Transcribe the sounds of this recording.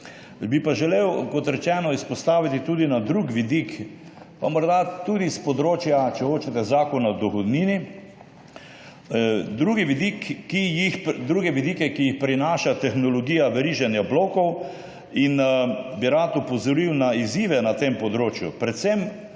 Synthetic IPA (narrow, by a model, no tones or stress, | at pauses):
bipaʒɛlewkɔt̪ɾɛt͡ʃɛːnɔispɔst̪aːʋit̪it̪uːd̪inad̪ɾukʋid̪ik | pamɔɾd̪at̪ud̪ispɔd̪ɾoːt͡ʃjat͡ʃɛxoːt͡ʃɛt̪ɛzaːkɔnad̪ɔxɔd̪niːni | d̪ɾuːɡiʋid̪ikːijixd̪ɾuɡɛʋid̪iːkɛkijixpɾinaːʃat̪ɛxnɔlɔɡiːjaʋɛɾiːʒɛnjabloːkɔw | inbiɾat̪upɔzɔɾiwnaiziːʋɛnat̪empɔd̪ɾoːt͡ʃjupɾɛt̪sɛm